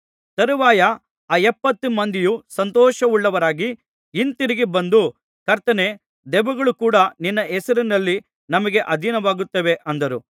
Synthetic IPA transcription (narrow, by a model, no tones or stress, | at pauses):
t̪ɐɾuʋaːjɐ | aːɛpːɐt̪ːumɐnd̪ijusɐnt̪ɔːʃɐuɭːɐʋɐɾaːɡi | int̪iɾiɡibɐnd̪u | kɐɾt̪ɐne | d̪ɛʋuɡɐɭukuːɽɐninːɐɛsɐɾinɐlːi | nɐmɐɡe̞ʔɐd̪ʱinɐʋaːɡut̪ːɐʋe̞ʔɐnd̪ɐɾu